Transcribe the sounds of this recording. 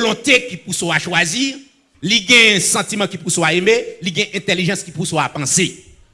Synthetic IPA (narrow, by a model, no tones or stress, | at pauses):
lɔ̃t̪ekipusoaʃwazi | liɡɛ̃sãtimãkipusoaemeliɡɛ̃ʔɛ̃t̪eliʒɑ̃skipusoapãse